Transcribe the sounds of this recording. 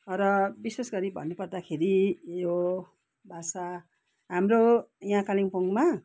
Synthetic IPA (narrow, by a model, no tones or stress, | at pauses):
ʌɾʌbisesɡʌɾibʱʌ̰nːupʌrd̪akʰeɾijo | bʱasa | ɦamrojãkaliŋpoŋɡma